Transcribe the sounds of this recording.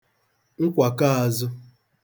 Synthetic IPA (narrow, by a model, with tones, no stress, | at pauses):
ŋ̩˦kʷa˨ka˦a˨zʊ˦